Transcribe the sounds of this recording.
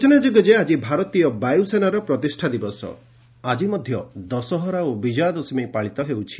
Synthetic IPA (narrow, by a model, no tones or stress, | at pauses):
t͡ʃɔnad͡ʒoɡɔd͡ʒead͡ʒibʱaɾɔt̪ijɔbajusenaɾɔpɾɔt̪isʈʰad̪ibɔsɔ̰ | ad͡ʒimɔd̪ʱjɔd̪ɔsɔɦɔɾaobid͡ʒad̪ɔsmipaɭit̪ɔɦewt͡ʃʰi̥